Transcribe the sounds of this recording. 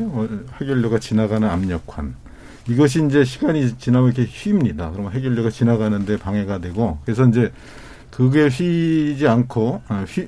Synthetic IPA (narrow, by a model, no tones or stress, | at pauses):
ʌhe̞ɡjʌɭːʌɡat͡ɕinaɡanɯnamɲʌkʰa̰n | iɡʌɕ̬ʰiːind͡ʑe̞ɕʰiɡaɲit͡ɕinamikʰeɕiːmɲidakɯɾʌmɦe̞ɡjʌʎːʌɡat͡ɕinaɡanɯnde̞paŋɦe̞ɡadwe̞ɡokɯɾe̞sʰʌind͡ʑe̞ | kɯɡe̞ɕid͡ʑiankʰoeɕi